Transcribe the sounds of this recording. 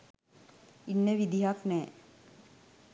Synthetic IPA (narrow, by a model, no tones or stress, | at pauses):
inːəʋid̪iɦaknɛː